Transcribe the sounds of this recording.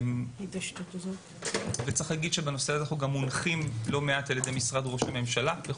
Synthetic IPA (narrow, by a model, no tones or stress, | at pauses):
t̪ʃt̪ut̪azot | vet͡saχlaɡid̪ʃebeno̞seaznaχnuɡamːunχimlo̞meat̪jelad̪ejmisʁadʁo̞ʃhame̞mʃalabe